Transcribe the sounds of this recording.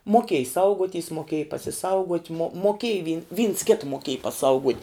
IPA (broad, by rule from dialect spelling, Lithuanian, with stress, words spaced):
moːˈkʲeːj ˈsɐʊɡuɔˌtʲiːs moːˈkʲeːj pɐsʲɪˈsɐʊɡuɔtʲ moː moːˈkʲeːj ʋʲɪ ʋʲiːns kʲɪt moːˈkʲeːj pɐˈsɐʊɡuɔtʲ